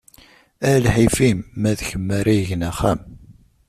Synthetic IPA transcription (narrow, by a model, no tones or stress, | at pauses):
ælħifimːæðçəmːæɾajəʝənæχæm